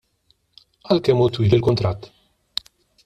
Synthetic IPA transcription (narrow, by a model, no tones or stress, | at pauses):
ɐlkɛmːut̪wiːlɪlkʊnt̪ɾɐt̪ː